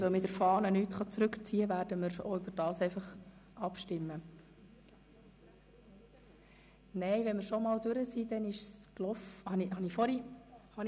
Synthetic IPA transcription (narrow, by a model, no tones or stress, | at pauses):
omɪtəɾfɑːnənytχɑt͡sɾʉkt͡siːəvæːɾd̥əməɾo̰ʏbəɾd̥ɑːsɛɪfɑχʔɑpʃtɪmːə | nɛɪʋɛnmɪɾʃɔmɑːldʉɾəsiːd̥̪ɛnɪʃsklɔfhɑnihɑnifɔɾihɑn